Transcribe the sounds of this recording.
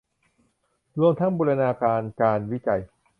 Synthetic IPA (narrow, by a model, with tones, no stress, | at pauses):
ɾu˧əmt̪ʰa˦˥ŋbuː˧ɾa˧naː˧kaː˧nkaː˧nwi˦˥t͡ɕa˧j